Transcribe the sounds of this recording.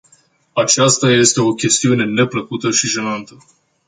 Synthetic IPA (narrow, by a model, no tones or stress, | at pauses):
at͡ʃast̪aje̞st̪e̞o̞kʲe̞st̪iune̞ne̞pləkut̪əʃiʒe̞nant̪ə